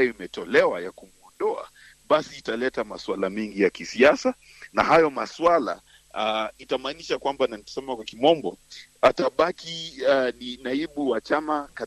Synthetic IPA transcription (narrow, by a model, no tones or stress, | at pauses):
ajɔimɛtɔlɛwajakumuɔndɔa̰ | ɓasiːtalɛtamaswalamɛŋɡijakisiasa | na̰hajɔmaswala̰ | itamaːniʃakwambananitɔ̥sɛmakwakimɔmbɔ | ataɓakininaiɓuwat͡ʃamaka